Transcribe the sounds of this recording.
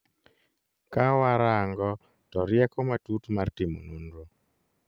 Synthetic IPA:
kawaɾaŋɡɔ | tɔɾjɛkɔmatutmartɪmo̰nundɾo

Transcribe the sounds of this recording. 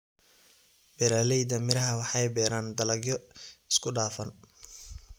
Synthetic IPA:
bɛɾaːlɛjd̪ɐmɪɾɐɦɐwɑħɑjbɛːɾaːnd̪ɐlɐɡjɔɪskʰʊɖaːfɐn

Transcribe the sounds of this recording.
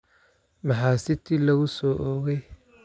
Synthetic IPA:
mɑħaːsɪt̪ʰiːlɐɣʊsɔːʔɔːɣɛj

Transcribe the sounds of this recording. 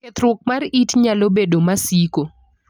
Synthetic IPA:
et̪ɾʊk̚maritɲalobedomasiko

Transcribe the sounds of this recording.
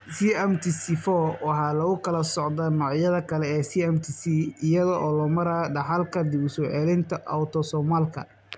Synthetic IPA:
siɛmt̪ʰisifɔwɑħɑːlɐɣʊkʰɐlɐsɔʕd̪anɔːʕjɐðɐkʰɐlɛɛːsiɛmt̪ʰisiɪjɐðɔʔɔːlɔːmɐɾaːɖɑħɑlkʰɐd̪ɪʊsɔʕɛlɪnt̪ʰɐʔɐ̰wt̪ʰɔsɔmalkʰɐ̰

